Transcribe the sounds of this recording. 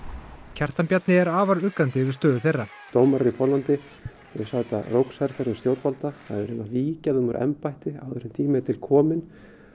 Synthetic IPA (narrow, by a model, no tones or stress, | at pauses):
cʰar̥t̪ampjat̪nɪɛɾaːvaɾʏkːant̪ɪvɪɾ̥st̪œːðʏθejrːa | t̪owmaɾipʰɔlant̪ɪ | ɛsat̪arowksaɾfɛɾʏmst̪jowt̪palt̪aθa̰ðɛɾɪnaviːcaðʏmaɾʔɛ̰mpajht̪ɪa̰wðɛsʏmt̪ʰiːmɪt̪ʰɪlkʰɔːmɪn